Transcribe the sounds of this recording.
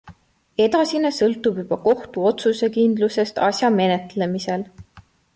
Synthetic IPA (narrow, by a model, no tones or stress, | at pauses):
e̞d̪ɑsinesɤlt̪ːˑubjub̥ɑko̞ht̪uo̞t̪suse̞kind̪luse̞st̪ɑsʲjɑme̞ne̞t̪le̞mise̞l